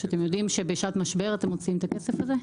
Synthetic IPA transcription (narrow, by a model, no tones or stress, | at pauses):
at̪emjod̪imʃebeiʃat̪maʃbe̞ʁat̪emot͡siimt̪akesefaze